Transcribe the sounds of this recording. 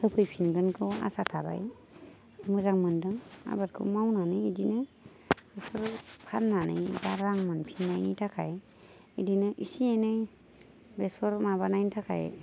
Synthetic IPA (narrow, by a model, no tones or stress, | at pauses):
hɯpʰɯjpʰinɡɯnkʰɯa̰satʰaba̰j | mɯzaŋmɯndɯŋa̰baɾkʰɯ̰mawnanɯjidinɯ | b̥esɔɾpʰanːanɯ̰jbaɾaŋmɯnpʰinːajnitʰakʰaj | idinɯʔisianɯj | besɔɾmaβanajntʰakʰa̰j